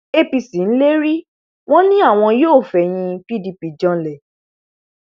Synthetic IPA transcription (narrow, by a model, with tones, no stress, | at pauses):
e˦pi˨si˨n̩˦le˦ɾi˦ | w̃ɔ̃˦nĩ˦a˦˨w̃ɔ̃˧joː˦˨fɛ˨j̃ĩ˧pi˦di˧pi˨d͡ʒɔ̃˧lɛ˨